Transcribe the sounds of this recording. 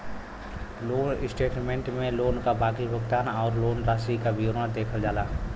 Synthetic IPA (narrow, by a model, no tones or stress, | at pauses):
loːnɪsʈeːʈmẽɳʈmẽloːnkabʱaːkibʱəɡt̪aːnɔːɾloːnɾaːsikabijoːɾnəd̪eːkʰəld͡ʒaːlaː